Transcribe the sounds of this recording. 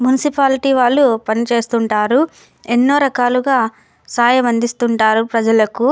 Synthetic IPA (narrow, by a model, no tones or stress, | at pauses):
munisipaːliʈiːʋaːɭːupɐnit͡ʃe̞ːst̪uɳʈaːɾu | enːoːɾɐkaːluɡaː | saːjɐmɐnd̪ist̪uɳʈaːɾupɾɐd͡ʒɐlɐku